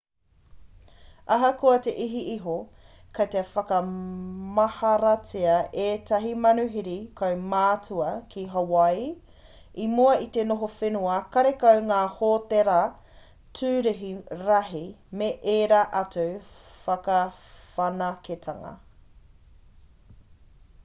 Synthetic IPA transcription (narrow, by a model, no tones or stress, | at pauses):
ɐɦɐkoɐteʔiɦiʔiɦo | kɐt̪efɐkɐmɐhɐɾɐt͡siɐʔeːtɐɦimɐnuɦiɾikʰɐwmaːtʰuɐkʰiɦɐwɐj | imuɐit̪enoɦofenuɐkɐɾekɐwŋaːhoːteɾa | tʰʉːɾeɦiɾɐɦimeʔeːɾaʔɐtuwfɐkɐfɐnɐketʰɐŋɐ̰